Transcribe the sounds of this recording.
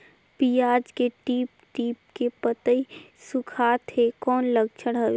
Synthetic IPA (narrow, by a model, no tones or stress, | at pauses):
piːaːd͡ʒkeʈiːpʈiːp̚kepət̪əisʊkʰaːt̪ɦekɔːnləɡt͡ʃʰəɽɦəʋe